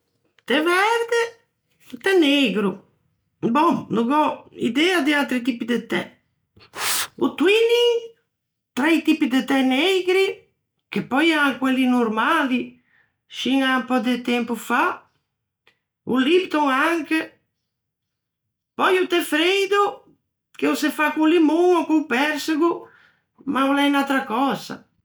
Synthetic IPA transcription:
t̪ɛvɛɾd̪e | t̪ɛneɡɾu | boŋnuɡɔḭd̪ɛad̪ialt̪ɾit̪̬ipid̪et̪ɛ̰ | ṵt̪wiliŋ | t̪ɾajt̪ipid̪et̪ɛneɡɾi | k̟epɔjaŋkwelːinuɾmali | ʃiŋampɔd̪ɪt̪ɛmpufa | ṵlipt̪oŋaŋke | pɔjut̪ɛfɾejd̪o | keusefakulimuŋkupɛɾsɪɡu | maolɛjnat̪ɾakɔza̰

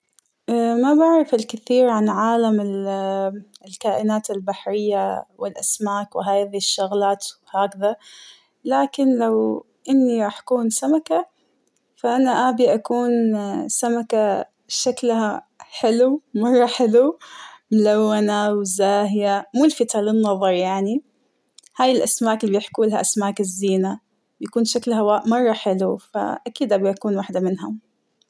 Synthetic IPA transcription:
ʔamabaʕɾˤɑfɪlkɪθiːɾʕanʕaːlamɪl | lkaːʔɪnaːt̪albaħɾɪjːawɪlʔasmaːkwɪɦaːjðiʃːʊɣlaːt̪ | haːkða | laːkɪnlaw | ʔɪnːiɾˤɑːħʔḁkuːnsamaka | faʔanaʔaːbiʔakuːnsamaka | ʃaklha | ħɪlumɑrˤːɑħɪlumlawːanawɪzaːɦjamuːlfɪt̪alɪnːɑðˤɑɾˤjaʕni | haːjɪlʔasmaːkɪlibjɪħkuːlhaʔasmaːkɪzːiːna | bjakuːnʃaklɦawamɑrˤːɑħɪlufa̰ʔakiːd̪ʔaːbiʔakuːnwaːħd̪amɪnɦʊm

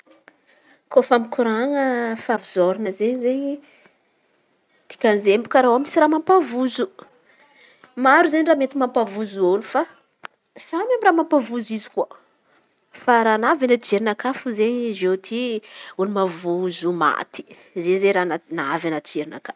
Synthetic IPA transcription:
kofamikuɾaŋəfavizoɾinəzeɲizeɲi | t̪i̥kʲanzembu̥kaɾawamisiɾamampavuzu | maɾuzeɲiramet̪imampavuzuolufa | z̥anamiraːmampavuzizi̥kuə | faɾanavinəd͡ʒeɾinakafuzeɲzet̪ʰiulumavuzuma̰t̪i̥ | zezeɾananavanat͡ʃeɾina̰kaf

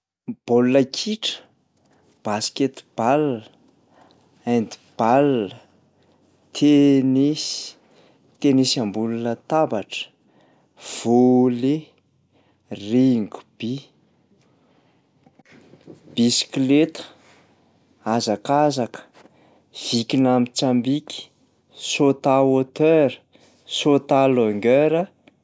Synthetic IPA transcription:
b̥olːakʰiʈ͡ʂə̥ | b̥asket̪b̥alːə | and̪i̥b̥alːə | t̪ʰenesi̥ | t̪enesiambulunət̪abaʈ͡ʂə̥ | v̥ole | riŋɡu̥b̥i | b̥isi̥klet̪ə̥ | azakazakə̥ | v̥ikinamit͡sambiki̥ | sot̪aot̪øɾə̥ | sot̪aloŋɡøɾə

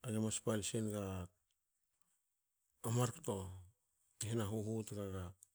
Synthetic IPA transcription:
aɡemaspalsenɡa | amaɾkto̞ | ɦenaɦuɦutɡaɡa

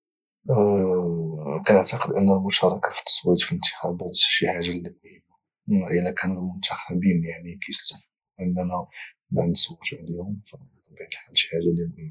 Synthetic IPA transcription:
kænəʕt̪ɑqəd̪ʔənːælmʊʃɑɾˤɑkḁfi̥t̪ːɑ̥sˤwit̪filənt̪ə̥xɑbæt̪ʃiħaʒːaləmːij | ʔəlækʰænəlmʊnt̪ʰaxæbinjaʕnikæjsə | ʔənːænæ | mænsəwːəʃʕlihʊmf | baʕd̪ħalʃi̥ħaʒːaləmːij

